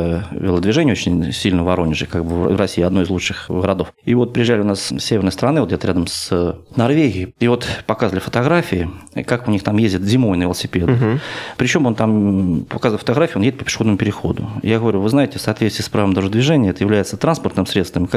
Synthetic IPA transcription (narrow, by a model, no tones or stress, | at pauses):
vʲɪ̰lˠəd̪vʲɪʐɛnʲɪəot͡ɕɪnʲsʲilʲnəvɐɾo̞nʲɪʐɨkaɡbɨv̰vrɐsʲiːɐd̪no̞jɪzlˠut͡ʂʂɨxɡəɾɐd̪o̞fivo̞t̪̚pɾʲɪjɪʐalʲɪʊnassʲevʲɪrnəst̪əɾɐnɨvt̪dʲet̪ɾʲad̪əmsnɐrvʲeɡʲɪɪivo̞t̪pɐkazvəlʲɪfə̥t̪ɐɡɾafʲɪɪkakʊnʲixt̪amjezʲdʲɪt̪zʲɪmo̞jɪnəvʲɪlˠəsʲɪpʲed̪ɨpɾʲɪt͡ɕo̞mo̞nt̪ampɐkazvəlʲˠfə̥t̪ɐɣɾafʲɪʊonjedɪt̪pəpʲɪ̥ʂxo̞d̪nəmʊpɪɾʲɪxo̞̰d̪ʊ̰jaɡəvɐɾʲuvɨznaɪtʲɪfsɐːt̪vʲet̪st̪ʲɪəspɾavəmd̪aʐɨd̪vʲɪʐɛnʲɪəɛt̪əjɪvlʲæjɪt̪sət̪ɾanspərt̪nɨmsɾʲet̪st̪vəmʲɪ